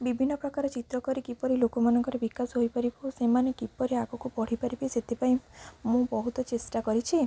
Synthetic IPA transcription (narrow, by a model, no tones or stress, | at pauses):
bibʱinːɔpɾɔkaɾɔt͡ʃit̪ɾɔkɔɾikipɔɾilokɔmanɔŋkɔɾebikasɦojpaɾibɔusemanekipɔɾiaɡɔkupɔɽ̤ipaɾibaset̪ʰepaĩmũbɔɦut̪ɔt͡ʃesʈakɔɾit͡ʃʰi